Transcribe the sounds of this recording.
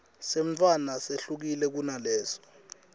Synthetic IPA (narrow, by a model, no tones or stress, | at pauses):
sem̩t͡fʰʼwanaseɬuk̬ilɛk̬unalɛːsɔ̥